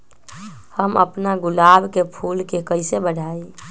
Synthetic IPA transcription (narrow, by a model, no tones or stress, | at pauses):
həmə̰pnaɡʊlabʱkepʰulkekəɪsebəɽʱai